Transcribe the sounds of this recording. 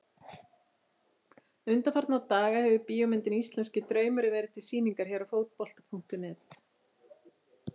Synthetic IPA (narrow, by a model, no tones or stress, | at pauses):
ʏnt̪afaɾt̪nawt̪aːɣahɛvʏpiːɔmɪnt̪ɪnist̪lɛnscɪt̪ɾœːɥmʏɾɪvɛːɾɪð̥t̪ʰɪlsiːniŋkaɾ̥çɛːɾafoːwt̪̚pɔl̥t̪apʰuŋkt̪ʏnɛːt̪